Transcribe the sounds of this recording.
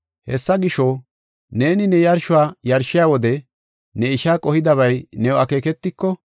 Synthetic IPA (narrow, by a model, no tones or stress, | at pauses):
hɛsːɐɡɪʃɔ | ne̞ːnɪnɛjɐɾʃʊwaːjɐɾʃɪjaːwɔd̪ɛ | nɛɪʃaːkʼɔhɪd̪ɐβɐjnɛʊɐke̞ːkɛt̪ːɪkːɔ